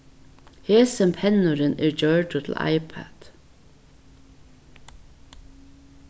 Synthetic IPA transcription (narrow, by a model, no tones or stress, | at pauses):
heːsəmpʰɛnʊɾɪnɛɹd͡ʒœɹʈʊt̪ʰl̩a̰ɪpʰæ̰d̪̥